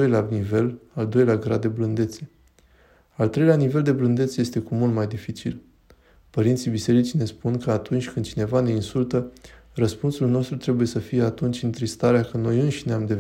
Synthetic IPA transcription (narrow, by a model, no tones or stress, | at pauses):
ojlanive̞lald̪o̞jleaɡɾad̪e̞blɨnd̪e̞t̪se̞̥ | alt̪ɾeleanive̞ld̪e̞blɨnd̪et̪səje̞st̪e̞kumult̪majd̪ifit͡ʃil | pəɾint̪sibise̞ɾit͡ʃine̞spunkəat̪unt͡ʃʲkɨnd̪̚t͡ʃine̞vane̞insult̪ərəspunsulno̞st̪ɾut̪ɾe̞buje̞səfije̞at̪unt͡ʃʲɨnt̪ɾist̪aɾeakəno̞jɨnʃineamd̪e̞